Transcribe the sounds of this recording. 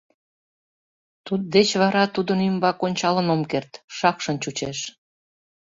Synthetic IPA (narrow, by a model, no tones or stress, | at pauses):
t̪ut̪̚d̪et͡ɕβɑɾɑt̪ud̪ənymbɑkonʲt͡ɕɑlə̆nomkert̪ʃɑkʃənt͡ɕut͡ɕeʃ